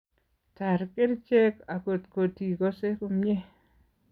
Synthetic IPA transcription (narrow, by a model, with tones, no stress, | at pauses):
ta˨ɾkɪ˦ɾt͡ʃe˦ka˨ko˨tko˨ti˨ko˦se˦ko˦mɲe˦